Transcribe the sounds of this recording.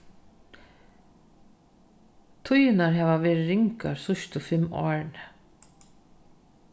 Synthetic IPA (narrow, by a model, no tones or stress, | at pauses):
t̪ʰʊjɪnaɾɦɛːʋaʋɛːɾɾɪŋka̰ɾsʊʃt̪ɔfɪmɔ̰ːɹɳ